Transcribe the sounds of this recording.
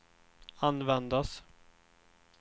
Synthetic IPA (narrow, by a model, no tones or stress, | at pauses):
anvɛnd̪as